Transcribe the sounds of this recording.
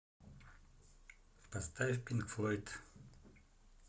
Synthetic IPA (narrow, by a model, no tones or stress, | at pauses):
past̪afpinkflˠɔjt̪